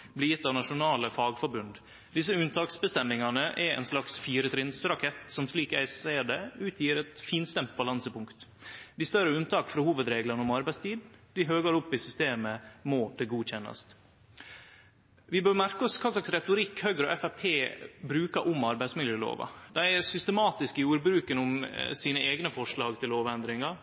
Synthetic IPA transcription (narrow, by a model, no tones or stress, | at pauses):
blɪjɪt̪ːɑːʋnɑʂʊnɑːləfɑːɡfɔɾbʉnd̪ | d̪ɪs̬əʉnt̪ʰɑːksbəst̪ɛmːɪŋɑnəʔɛɾɛ̰nslɑksfiːɾət̪ʰɾɪnsɾɑkʰɛt̪sɔmsliːkæɪsæɪɖɛʉːt̪ʰjiːɾɛt̪fiːnst̪ɛmt̪̚bɑlɑnsəpʊŋkt̪d̪ɪst̪œɾəʉnt̪ɑːkfɾɔhuːʋəd̪ɾeːɡlənəɔmɑɾbæɪst̪ʰiːd̪d̪ɪɦøːɡəɾʊpːɪsʏst̪eːməmɔd̪̥ɛɡuːçɛnːɑ̰st̪ | ʋɪbøːɾmæɾkəɔskʰɑːslɑksɾɛt̪ʊɾɪkːhøɡɾɔʔɛfæpʰeːbɾʉːkəʔʊmɑɾbæɪsmɪljəlo̰ːʋɑ̰d̪æɪæɾsʏst̪əmɑːt̪ɪskɪjuːɾbɾʉːkənʊmsiːnəʔeːɡnəfɔʂɭɑːɡt̪ʰɪlloːʋɛnd̪ɾɪŋɑ